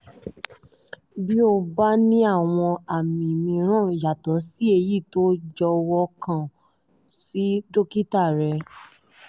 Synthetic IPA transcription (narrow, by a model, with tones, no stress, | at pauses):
bi˦o˧ba˦nĩ˦a˦˨w̃ɔ̃˧a˨mĩ˨mĩ˧˦ɾ̃ã˦˨ja˨tɔ˨˦si˦e˧ji˦˨to˦d͡ʒɔ˧wɔ˧kã˦˨ | si˨˦do˦ki˦ta˦˨ɾɛ˧